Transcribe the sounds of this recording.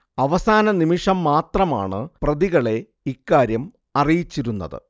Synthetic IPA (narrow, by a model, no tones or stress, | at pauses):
ɐʋɐsaːnɐnimiʂɐmːaːt̪rɐma̰ːɳɨprɐðiɣɐɭe̞ | ikːaːɾjɐm | ɐrijit͡ɕːiɾunːɐ̰ðɨ̰